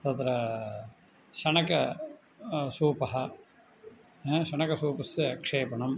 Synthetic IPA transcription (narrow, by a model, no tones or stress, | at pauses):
t̪ɐt̪ɾɐ | ʃɐɳɐkɐ | suːpɐɦɐ | ʃɐɳɐkɐsuːpɐsɐɐkʂeːpɐɳɐm